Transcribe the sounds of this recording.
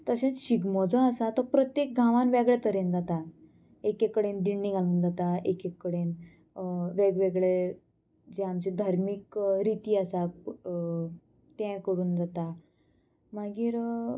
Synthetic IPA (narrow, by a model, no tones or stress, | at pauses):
t̪əsẽt͡sɕiɡmɔd͡zɔ̃asat̪ɔpɾɔt̪jek̚ɡʱãʋanʋeɡɭet̪əɾẽnd͡zat̪a | ekekːəɽend̪iɳːĩŋaluːnd͡zat̪aekekːəɽen | ʋeɡʋeɡɭe | d͡zɛamt͡ɕid̪ʱaɾmikɾit̪iːasa | t̪ɛ̃kəɾuːnd͡zat̪a | maɡiːɾ